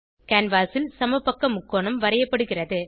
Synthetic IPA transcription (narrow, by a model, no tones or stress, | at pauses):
kaːnʋaːsɪlsɐmɐpːɐkːɐmʊkːoːɳɐmʋɐɾɐjɐpːɐɽɯɣɪrɐðɯ